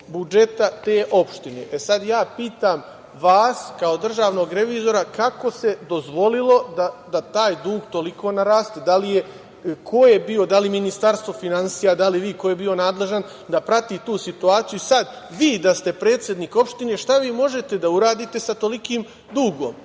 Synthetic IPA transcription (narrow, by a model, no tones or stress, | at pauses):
bud͡ʒe̞t̪at̪e̞ːʔo̞pʃt̪ine̞̰ʔesad̪jaːpiːt̪aːm | ʋaːskao̞d̪r̩ʒaːʋno̞ɡɾe̞ʋiːzo̞ɾakako̞se̞d̪o̞zʋo̞lilˠo̞d̪ad̪at̪aːjd̪uːɡt̪o̞liko̞ːnaɾaːst̪ed̪alije̞ | kʰojebio̞d̪aliminist̪aɾst̪ʋo̞finansiːjad̪aliʋiːkojebio̞naːd̪le̞ʒan | d̪apɾat̪iːt̪uːsit̪uaːt̪sijuisad̪ | ʋiːd̪ast̪e̞pɾe̞ːt̪sʲje̞d̪niːko̞pʃt̪ine̞ʃt̪aʋiːmo̞ʒe̞t̪e̞d̪auɾaːd̪iːt̪e̞sat̪o̞likiːm | d̪uːɡo̞ːm